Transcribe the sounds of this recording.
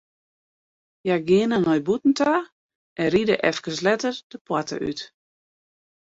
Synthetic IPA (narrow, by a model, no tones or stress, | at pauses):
jaɡɪənənɔjbutn̩tʰa | ʔɛnridəʔɛfkəslɛtərd̥əpwatʰə̰ʔy̰t